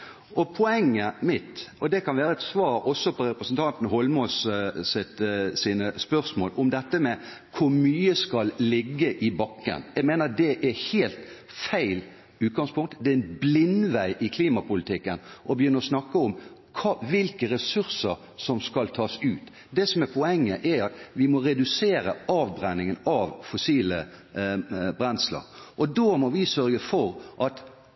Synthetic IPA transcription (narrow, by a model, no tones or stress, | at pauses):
ʔɔpʰɔɛŋːəmɪt̪ʔɔd̪ɛkʰɑnʋæːɾəɛt̪sʋɑːɾɔsːɔpʰɔɾɛpɾəsənt̪ʰɑnt̪nhɔlmɔssɪt̪siːnəspœɾsmoːlʔɔmd̪ɛt̪ːəmɛ | kʰʊɾmyːəskɑllɪɡːəʔɪbɑkːə̰njɛɡmeːnəd̪ɛʔɛɾheːlt̪ | fæɪl | ʉːt̪̚ɡɑŋspʰʊŋt̪d̪ɛɪnblɪnʋæɪʔɪkʰliːmɑpʊlɪt̪ʰɪkːənʔɔbəjʏnːəɔsnɑkːəɔmkʰɑʋɪlkəɾɛsʉɾsəɾ | sɔmskɑlt̪ʰɑːsʉːt̪ | d̪ɛsɔmɛpʰɔɛŋːəʔɛɑt̪ʋɪmɔɾɛd̪ʉseːɾəɑːʋbɾɛnːɪŋənɑʋfʊsiːlə | bɾɛnslə̰ɾʔɔd̪omɔʋɪsœɾɡəfɔɾʔɑt̪